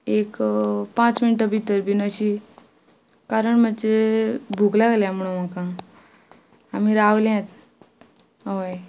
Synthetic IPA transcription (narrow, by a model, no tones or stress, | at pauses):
ekpãt͡sminʈəbʱit̪əɾbʱinəɕi | kaɾəɳmət͡ɕebʱuklaɡljãm̤əɽ̃umakã | amiɾawljãt̪ | əʋaj